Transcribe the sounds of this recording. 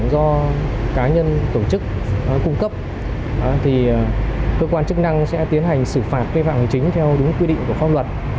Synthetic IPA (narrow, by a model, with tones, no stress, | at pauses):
zɔ˧kaː˨˦ɲə˧nt̪o˧˩t͡ɕɨ˦˥k̚ː | kʊ˧ŋ͡mkə˦˥p̚ː | t̪ʰi˨˩kəː˧kwaː˧nt͡ɕɨ˦˥k̚na˧ŋsɛ̰˧˥t̪i˨˦ənɦa˨˩jŋ̟sɨ˧˩faː˨˩t̚ka˧fa̰ː˧˨mha˨˩ŋ̟t͡ɕï˦ŋ̟t̪ʰɛ˧wɗʊ˨˦ŋ͡mkwi˧ɗḭ˧ŋ̟ku˧˩əfa˧wŋ͡mlwə˨˩t̚